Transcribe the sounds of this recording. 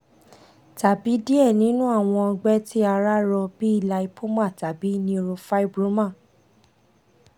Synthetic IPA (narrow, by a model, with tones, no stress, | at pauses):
ta˨bi˨˦di˦ɛ˦˨nĩ˨˦nũ˦a˦˨w̃ɔ̃˧ɔ˧ɡ͡bɛ˦tʰi˦a˧ɾa˦ɾɔ˧bi˦i˦˨la˧i˧pʰo˦mã˦˨ta˨bi˨˦nĩ˧ɾo˧fa˦i˦˨bɾo˨˦mã˦˨